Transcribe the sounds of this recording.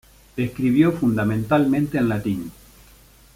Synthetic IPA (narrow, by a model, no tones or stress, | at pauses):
eskɾiβ̞jofund̪amẽnt̪almẽnt̪eːnlat̪in